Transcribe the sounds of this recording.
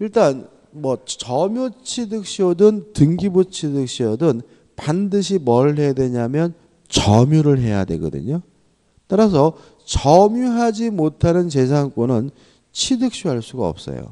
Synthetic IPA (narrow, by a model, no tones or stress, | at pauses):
iɭt͈an | mwʌt͡ɕʌmjut͡ɕʰidɯk̚ɕ͈iodɯntɯŋɡibut͡ɕʰidɯk̚ɕ͈iodɯn | pandɯɕ̬ʰimʌɭɦe̞jadwe̞ɲamjʌn | t͡ɕʌmjuɾɯɭɦe̞̰ja̰dwe̞̰ɡʌ̰dɯ̰ɲo | t͈aɾas̬ʰʌ | t͡ɕʌmjuɦad͡ʑimotʰanɯnt͡ɕe̞sʰaŋk͈onɯn | t͡ɕʰidɯk̚ɕ͈oɦaɭs͈uɡaʌ̰p̚s͈ʌ̰jo̰